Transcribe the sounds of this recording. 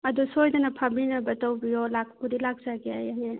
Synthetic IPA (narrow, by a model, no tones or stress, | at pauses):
ɐdusojdɐnɐpʰabinɐbɐtawbijɔlak̚ʰkudilak̚zaɡiajaje